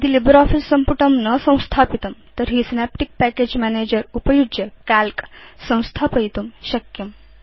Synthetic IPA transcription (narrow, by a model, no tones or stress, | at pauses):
d̪ilibəɾɔfisːɐmpuʈɐmnəsɐ̃w̃st̪ʰaːpit̪ɐmt̪əɾɦisinepʈik̚pæked͡ʑmæned͡ʑəɾupəjud͡ʒekalksɐ̃w̃st̪ʰapəjt̪umɕɐkjɐm